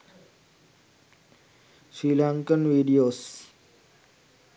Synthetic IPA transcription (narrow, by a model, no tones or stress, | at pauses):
sɾiːlãːŋkənʋiːɖijoːs